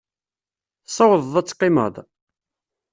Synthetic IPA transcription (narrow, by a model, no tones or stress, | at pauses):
θsˤːɑwəðˤðˤæt͡sːqːimə̰ðˤ